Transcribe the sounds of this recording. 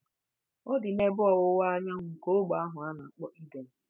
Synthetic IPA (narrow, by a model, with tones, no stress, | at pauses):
o˦dɪ˨ne˦bɔ˨ɣʊ˦wa˦ɲa˦ŋʊ˨ŋ̩˨ko˦ɡ͡ba˨a˦ɦʊ˨a˦na˨k͡pɔ˦ʔi˦de˨m̩˨